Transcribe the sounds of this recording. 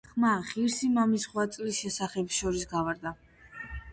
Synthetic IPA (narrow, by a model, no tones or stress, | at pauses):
χmaχiɾsimamisχwat̪sʼlisʃɛsaχɛpsʃɔɾisɡavaɾd̪a